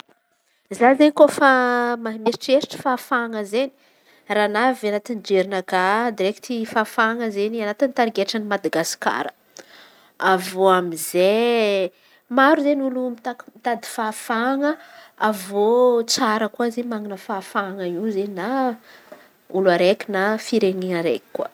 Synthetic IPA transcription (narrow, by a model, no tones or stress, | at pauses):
zazenikofamaɦimesi̥ʈ͡ʂeɾi̥ʈ͡ʂə̥fafaŋəzeni̥ | ranavanat̪ind͡ʒeɾinəkad̪iɾekt̪ifafaŋəzenianat̪init̪aɾiɡeʈ͡ʂənimad̪aɡasi̥ka̰ɾə | avoamize | maɾuzenulumit̪akmit̪ad̪i̥fafaŋəavot͡saɾəkuazemaŋinəfafaŋəizenina | uluaɾekʲinafiɾeɲinəɾḛki̥kːwə